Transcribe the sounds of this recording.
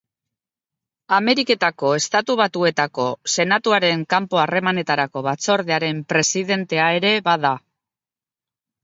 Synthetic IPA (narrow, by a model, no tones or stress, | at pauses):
ame̞ɾike̞t̪ako̞e̞st̪at̪uβ̞at̪ue̞t̪ako̞se̞nat̪uaɾe̞ŋkampo̞are̞mane̞t̪aɾako̞βat͡so̞ɾðeaɾe̞mpɾe̞siðe̞nt̪e̞ae̞ɾe̞βaða